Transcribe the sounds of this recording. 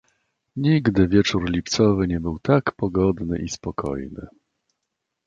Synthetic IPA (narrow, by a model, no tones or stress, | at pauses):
ɲiɡd̪ɘvʲjɛt͡ʂuɾlʲipt̪sɔvɘɲɛbɘwt̪akpɔɡɔd̪nɘ̰ʔispɔkʰɔ̰jnɘ̰